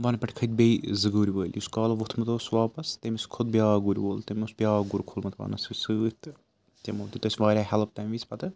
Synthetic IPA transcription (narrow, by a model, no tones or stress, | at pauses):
ʋɐnpʲɐʈʰʲkʰɐt̪̚bʲejzɨɡuːɾʲiʋəːlʲjuskaːlɐʋot̪ʰmɐt̪oːsʋaːpɐst̪emʲiskʰod̪̚bjaːɡuɾʲʋoːlt̪emʲusbʲijaːɡuɾʲkʰolmɐt̪ʰʋɐ̰ːnɐsisɨːt̪ | t̪ʲemoːlt̪it̪ɐsʲʋaːɾʲaːɦɛlp̚t̪ɐmʋʲit͡sʰpɐt̪ɨ